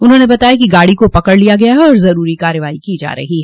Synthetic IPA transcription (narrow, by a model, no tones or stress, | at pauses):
ʊnɦõːnebɐt̪aːjakiɡaːɽikopɐkəɽlijaɡɐjaɦɛɔːɾzɐɾuːɾikaːɾəʋaːikiːd͡ʒa̰ːɾɐ̰ɦiɦɛː